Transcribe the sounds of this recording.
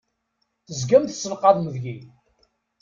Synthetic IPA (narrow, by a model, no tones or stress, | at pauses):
θəzɡæmθsəlqɑðˤməðʝi